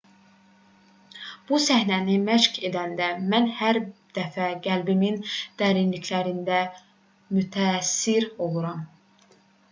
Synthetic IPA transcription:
b̥usæhnænimæʃke̞d̪ænd̪æmænhæɾd̪̥æfæɡælbimind̪̥æːɾinlicʰlæɾind̪æ | myt̪ʰæːsːiɾo̞lˠuɾɑm

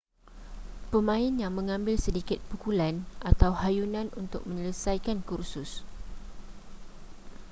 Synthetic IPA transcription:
pəmãɪnjaŋmə̃ŋãmbɪlsədikɪt̪̚pukulanʔat̪awhajunãnunt̪ʊ̰k̚mə̃ɲələsajkankursʊs

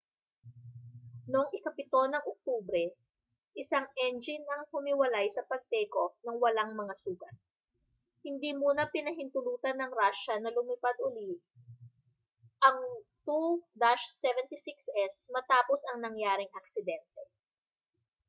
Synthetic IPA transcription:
noŋʔɪkɐpɪt̪o̞nɐŋok̚t̪uːbɾɛ | ʔɪsaŋʔɛnd͡ʒɪnɐŋhʊmɪwɐlajsɐpɐɡ̚t̪ɛːko̞nɐŋwɐlaŋmɐŋasuːɡɐt̪̚ | hɪnd̪iːmuːnɐpɪnɐɦɪnt̪ʊluːt̪ɐnɐŋɾaʃɐnɐlʊmipad̪̚ʔʊliʔ | ʔɐŋt̪ud̪aʃsɛvɛnt̪isiksʔɛsmɐt̪aːposɐŋnɐŋjaːɾɪŋʔɐk̚sɪd̪ɛnt̪ɛ

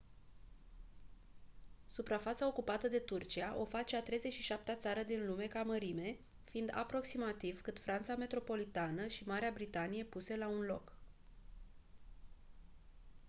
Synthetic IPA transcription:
supɾafat̪sao̞kupat̪əd̪e̞t̪urt͡ʃiaʔo̞fat͡ʃeat̪ɾe̞jze̞t͡ʃʃiʃap̚t̪eat̪saɾəd̪inlume̞kaməɾime̞ | fiind̪a̰pɾo̞ksimat̪ivkɨt̪fɾant̪same̞t̪ɾo̞po̞lit̪anəʃimaɾeabɾit̪anije̞puse̞launlo̞̰k

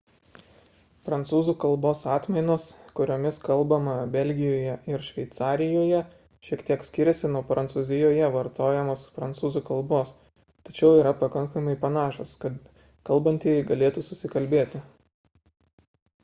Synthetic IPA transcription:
pɾɐnt̪suːzuːkɐlˠboːsɑːt̪ʲmʲɛɪnoːskʊɾʲoːmʲɪskɐlˠbɐmɐbʲɛlʲɡʲɪjoːjɛʔɪɾʃʲʋʲɛɪt̪sɑːɾʲɪjoːjɛ | ʃʲiɛkt̪ʲiɛksʲkʲɪɾʲsʲɪnoːpɾʔɐnt̪suːzʲɪjoːjɛʋɐɾt̪oːjɛmoːspɾɐnt̪suːzuːkɐlˠboːs | t̪ɐt͡ʃʲɛʊiːɾɐpɐkɐŋkɐmɐɪpɐnɑːʃoːskɐt̪ | kɐlˠbɐnʲt̪ʲeːjɡɐlʲeːt̪usʊsʲɪkɐlʲbʲeːt̪ʲɪ

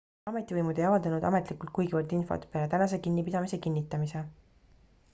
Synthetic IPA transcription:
ɑme̞t̪ːˑivɤjmud̪ejɑvɑld̪ɑnud̪̥ɑme̞t̪ˑlikˑult̪kujɡivɑlt̪info̞̰t̪peɑlet̪ænɑs̬e̞kinːipid̪̥ɑmise̞kinʲːit̪ːˑɑmise

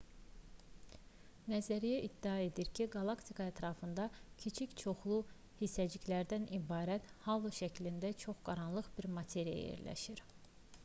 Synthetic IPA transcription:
næzæɾijæʔid̪̥ːiɑe̞d̪iɾcʰiɡɑlˠɑkt̪ʰikʰɑæt̪ʰɾɑfɯnd̪ɑcʰit͡ʃʰict͡ʃʰo̞χlˠu | hisæd͡ʒicʰlæɾd̪ænibɑːɾæt̪hɑlˠɯʃæcʰlind̪æt͡ʃʰo̞χɡ̥ɑɾɑnlˠɯχbiɾmɑt̪ʰe̞ɾija̰j̰jḛɾlæ̰ʃiɾ

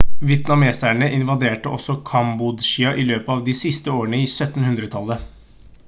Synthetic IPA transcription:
ʋɪɛt̪nɑmeːsæɳəʔɪnʋɑd̪eːʈəʔɔsɔkʰɑmbʊd̪ʃiːɑʔɪløːpəɑʋd̪iːsɪst̪əoːəɳəiːsœt̪n̩hʉnd̪ɾət̪ʰɑlːə

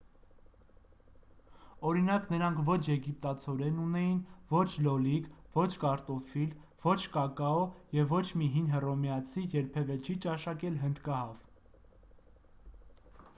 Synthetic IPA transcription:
ɔɾinɑknəɾɑŋkʰvɔt͡ʃʰjɛɡip̚t̪ɑt͡sʰɔɾɛnunɛjinvɔt͡ʃʰlɔlikvɔt͡ʃʰkɑɾt̪ɔfil | v̥ɔt͡ʃʰkɑkɑɔjɛvːɔt͡ʃʰmiɦinɦərɔmjɑt͡sʰijɛɾpʰɛvɛt͡ʃʰit͡ʃɑʃɑkɛlɦənd̪kɑɦɑv

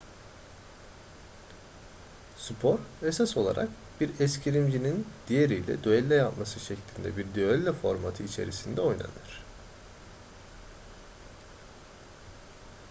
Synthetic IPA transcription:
sypʰo̞ɾesaso̞lˠa̰ɾʔa̰k | b̥iɾɛscʰiɾimd͡ʒinind̪̥ijeɾijlʲɛ̰d̪øɛlʲːɛjap̪masɯʃeclʲind̪ɛ̰biɾd̪yɛlʲːɛfo̞ɾmat̪ʰɯit͡ʃʰe̞̰ɾisind̪ɛo̞jna̰nɯɾ̝̥

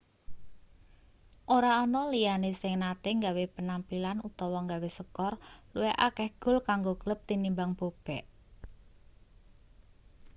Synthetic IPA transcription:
ʔoɾaɔnɔlijanesɪŋnat̪eŋɡawepənampilanut̪ɔwɔŋɡawesəkɔrluɛʔakɛhɡ̥ʊ̤lkaŋɡoɡ̥ələp̚t̪inimbaŋb̥ob̥ɛʔ

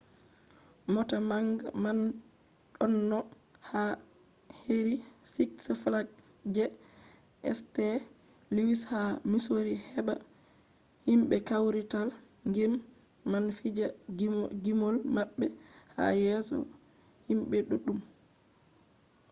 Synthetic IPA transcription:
mɔtamaŋɡa̰man | ɗɔnːɔ | ha | heɾisiksflaɡ̚ | d͡ʒɛ | ʔɛ̰stɛ | liwishamisoɾihɛba̰ | himɓɛkawɾital | ŋɡɛmː | anfid͡ʒa | ɡimolmaɓːɛha̰jɛsɔ̰ | himɓɛɗuɗum

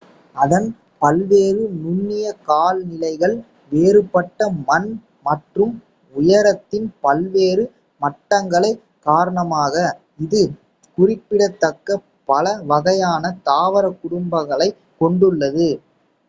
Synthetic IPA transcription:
ɐðɐn | pɐlʋeːrɯnʊnːɪjɐkaːlnɪlɐɪɣɐɭ | ʋeːɾɯpːɐʈːɐmɐn | mɐʈrɯm | ʊjɐɾɐt̪ːɪnpɐlʋeːɾɯ | mɐʈːɐŋɡɐɭɐɪ | kaːɾɐɳɐmaːɣɐ | ɪðɯ | kʊrɪpːɪɽɐt̪ːɐkːɐ | pɐlɐʋɐɣɐjaːnɐt̪aːʋɐɾɐkːʊɽʊmbɐɣɐɭɐɪ | kːɔɳɖɯɭːɐðɯ

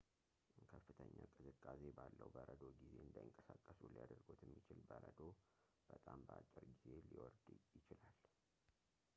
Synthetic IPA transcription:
ʔkʰəfːɨt̪ʰəɲːakʼɨzɨkʼːase̞balːəwbəɾəd̪o̞ɡize̞ɨnd̪ajɪŋkʼəsakʼːəsulijad̪əɾɡot̪ʰɛmːit͡ʃɪlbəɾəd̪o̞ | b̥ət̪ʼambəat͡ʃʼːɪɾɡize̞liwɔɾd̪jɪt͡ʃɪlal

